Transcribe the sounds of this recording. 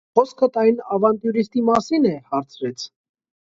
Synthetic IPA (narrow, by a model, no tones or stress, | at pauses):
χɔskʰət̪ɑjnɑvɑnt̪juɾist̪imɑsinɛhɑɾt͡sʰɾɛt͡sʰ